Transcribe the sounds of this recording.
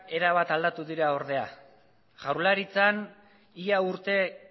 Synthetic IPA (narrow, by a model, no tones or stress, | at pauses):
e̞ɾaβat̪ald̪at̪uðiɾao̞ɾð̞e̞a | ʝawɾlaɾit͡san | iauɾt̪e̞